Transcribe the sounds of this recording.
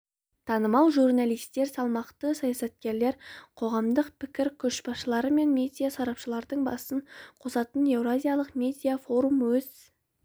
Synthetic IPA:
t̪ʰɑnəmɑw̪ˠʒurnalˠijst̪e̞ɾsɑlˠmɑqt̪əsɑjasɑt̪̚kʲe̞ɾle̞ɾqʰo̞ʁɑmd̪əqpʰɪkʲɪɾkʲʰɵʃbɑsʃəlˠɑɾəme̞nmʲed̪ʲijasɑɾɑpʃəlˠɑɾd̪əɴbɑ̰səɴqʰo̞sɑt̪əne̞vɾazʲijalˠəqmʲed̪ʲijafo̞ɾumwɵz

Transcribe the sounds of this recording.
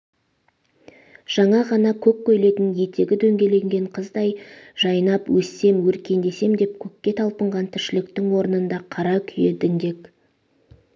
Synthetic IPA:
ʒ̥ɑɴɑʁɑnɑkʲʰɵkʲkʲːɵjle̞t̪ɪnje̞t̪ʰe̞ɡʲɪd̪ɵŋɡʲe̞le̞ŋɡʲe̞ɴqʰəzd̪ɑjʒ̥ɑjnɑpwɵsːe̞mwɵɾkʲe̞nd̪e̞se̞md̪e̞pkʲʰɵkʲːe̞t̪ʰɑlˠpəɴʁɑnt̪ʰʏʃɪlɪkt̪ɪŋwo̞ɾənənd̪ɑqʰɑɾɑkʲʰʏjed̪ɪŋd̪e̞k

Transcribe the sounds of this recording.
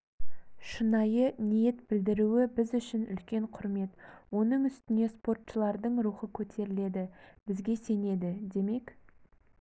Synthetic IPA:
ʃənɑjənije̞t̪b̥ɪld̪ɪɾuwɪbɪzʏʃɪnʏ̰lkʲe̞ɴqʰʊɾme̞t̪wo̞nəɴʏst̪ɪne̞spo̞rt̪ʃəlˠɑɾd̪əɴɾuχəkʲʰɵt̪ʰe̞ɾɪle̞d̪ɪbɪzɡʲe̞se̞ne̞d̪ɪd̪e̞me̞k

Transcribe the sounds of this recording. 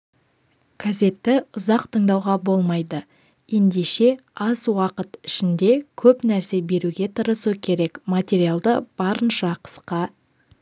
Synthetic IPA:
ɡ̥ʰaze̞t̪ːɪʊzɑqt̪ʰəɴd̪ɑwʁɑbo̞lˠmɑjd̪ə | je̞nd̪e̞ʃe̞ɑzwɑqət̪ɪʃɪnd̪e̞kʲʰɵpnæɾse̞be̞ɾuɡʲe̞t̪ʰəɾəsukʲʰe̞ɾe̞kmat̪ʲe̞ɾijalˠd̪əb̥ɑɾənʃɑqʰə̥sqɑ

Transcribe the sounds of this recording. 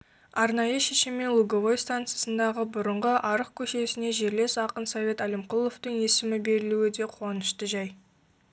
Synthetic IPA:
ɑɾnɑjəʃeʃɪmːelˠuɡovojst̪ant̪sɨjasənd̪ɑʁəbʊɾəɴʁəʔɑɾəq̚kʲʰɵʃe̞sɪneʒe̞ɾle̞sɑqənsɑvʲe̞t̪ælɪmqulˠːo̞ft̪əŋe̞sɪmɪbe̞ɾɪluɪd̪e̞qʰo̞nəʃt̪əʒɑj

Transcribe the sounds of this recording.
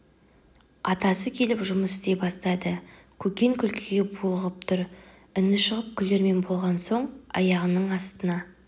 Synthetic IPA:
ɑt̪ɑsəkʲʰe̞lɪpʒʊməsɪzt̪e̞bɑst̪ɑd̪ə | kʲʰɵkʲe̞ŋkʲʰʏlkʲʰɪɡʲe̞bulˠəʁəp̚t̪ʰʊɾ | ʏnɪʃəʁəp̚kʲʰʏlːe̞ɾme̞nbo̞lˠʁɑnso̞ɴɑ̰jɑʁənəɴɑst̪ənɑ

